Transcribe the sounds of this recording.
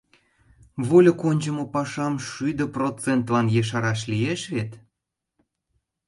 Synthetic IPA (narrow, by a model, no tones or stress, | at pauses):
βolʲokonʲt͡ɕə̆mŏpɑʃɑmʃyjd̪ə̆prot͡sent̪lɑnjeʃ̬ɑɾɑʃlijeʃβet̪